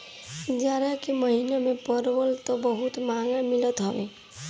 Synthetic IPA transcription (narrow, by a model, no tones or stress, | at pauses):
d͡ʒaːɾakeməɦinamepəɾbəlt̪ɔbəɦut̪maɡamilət̪ɦəbḛ